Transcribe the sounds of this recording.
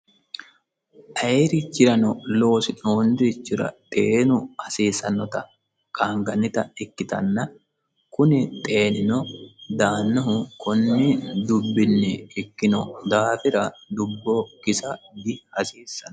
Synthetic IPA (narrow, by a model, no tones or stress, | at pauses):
ʔɐjɾɪt͡ʃːɪɾɐnɔlo̞ːsɪnoːnd̪ɪɾɪt͡ʃːɪɾɐ̰t̪ʼeːnʊhɐseːsɐnːɔt̪ɐ | kʼaːŋɡɐnːɪt̪ɐɛkːɪt̪ɐ̰nːɐ | kʊnɪt̪ʼe̞ːnɪnɔd̪aːnːɔɦʊkʰʊnːɪd̪ʊbːɪnːɛːkːɪnɔd̪aːfɪɾɐd̪ʊbːoːkɪsɐdɪhɐseːsːɐnɔ